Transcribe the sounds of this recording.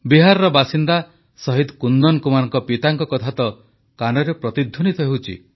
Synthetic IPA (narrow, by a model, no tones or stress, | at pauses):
biɦaɾɔɾɔbasind̪a | sɔɦid̪kund̪ɔnkumanɔŋkɔpit̪aŋkɔkɔt̪ʰat̪ɔ | kanɔɾepɾɔt̪id̪ʱːunit̪ʰɔɦewt͡ʃʰḭ